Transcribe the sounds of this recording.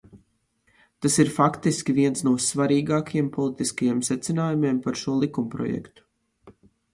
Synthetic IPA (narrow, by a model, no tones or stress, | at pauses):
t̪asiɾfakt̪iskʲiviɛnsnuɔsvaɾiːɡaːkajempʰɔlˠit̪iskajeɛmsɛt̪sinaːjumeːmpaɾʃuɔlˠikumpɾɔ̰jɛ̰kt̪u̥